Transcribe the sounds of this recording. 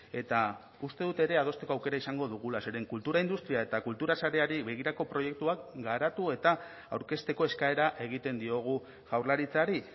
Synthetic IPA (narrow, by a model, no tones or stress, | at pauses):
e̞t̪a | ust̪e̞ðut̪e̞ɾe̞að̞o̞st̪e̞ko̞awke̞ɾaisaŋɡo̞ðuɣ̞ulase̞ɾe̞ŋkult̪uɾaind̪ust̪ɾiae̞t̪akult̪uɾasaɾe̞aɾiβe̞ɣ̞iɾako̞pɾo̞je̞k̚t̪uakɡaɾat̪ue̞t̪a | awɾke̞st̪e̞ko̞e̞skae̞ɾaʔe̞ɣ̞it̪e̞nd̪io̞ɣ̞u | ʝawɾlaɾit͡saɾi